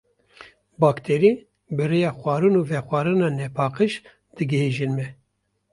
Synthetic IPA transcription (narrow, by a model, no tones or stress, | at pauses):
bɑːkt̪ʰɛɾi | bɨɾejɑːxʷwɑːɾɨnuvɛxʷɑːɾɨnɑːnɛpʰɑːqɨʃ | d̪̥ɨɡɨheːʒinmɛ